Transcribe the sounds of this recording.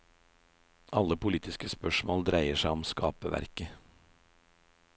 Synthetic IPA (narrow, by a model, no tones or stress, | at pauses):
ʔɑlːəpʰʊliːt̪ɪskəspœʃmoːld̪ɾæɪəʃæɪɔmskɑ̰ːpəʋæ̰ɾkə